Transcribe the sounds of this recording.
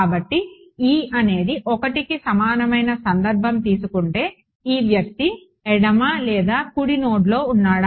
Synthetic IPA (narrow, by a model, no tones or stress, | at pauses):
aːbɐʈːi | iːɐne̞ːd̪iʔɔkɐʈikisɐmaːnɐmɐjnɐsɐnd̪ɐɾbʱɐmt̪iːsukuɳʈe̞ː | iːʋjɐk̚t̪i | ɛɽɐmaːlɛːd̪aːkuɽino̞ːɖlo̞ːunːaːɽa